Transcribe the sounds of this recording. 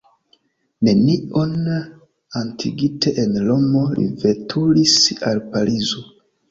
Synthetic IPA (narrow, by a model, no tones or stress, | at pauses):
ne̞nion | antʰiɡite̞ʔenlomo̞lḭve̞tʰulisalpalizo